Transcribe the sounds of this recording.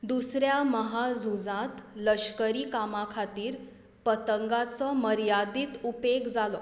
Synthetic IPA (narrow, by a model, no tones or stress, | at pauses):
d̪usɾjaməɦad͡zʱud͡zãt̪ləɕkəɾiːkamakʰat̪iːɾ | pət̪əŋɡat͡sɔməɾjad̪iːt̪upekd͡zalɔ